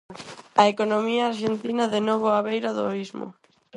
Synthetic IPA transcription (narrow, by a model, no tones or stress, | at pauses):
aekonomiaːɾʃent̪inaðenoβoaβejɾaðo̰izmo̰